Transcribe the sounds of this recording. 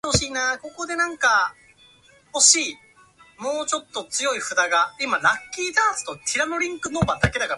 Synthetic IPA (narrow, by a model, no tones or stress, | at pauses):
hoɕiːnaːko̞ko̞d̪e̞nãŋka | ho̞ɕiː | mo̞ːt͡ɕo̞t̪ːo̞t͡sɨjo̞iɸɯ̟d̪aɡaimaɾakʲːiːd̪aːsɨ̥t̪o̞kʲʰiɾano̞ɾʲĩŋkɯ̟no̞bad̪ake̞d̪aka